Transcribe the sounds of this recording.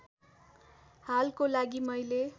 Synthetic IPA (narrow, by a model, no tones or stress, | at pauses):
halkolaɡimʌjle